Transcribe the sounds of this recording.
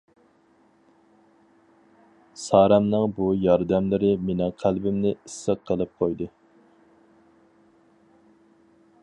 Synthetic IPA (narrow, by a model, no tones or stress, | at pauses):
sɑːɾɛmnɨŋbujɑɾd̪ɛmlɪɾɪmenɪŋqʰælbɪmnɪisːəqʰːəlˠɨp̚qʰojd̪ɨ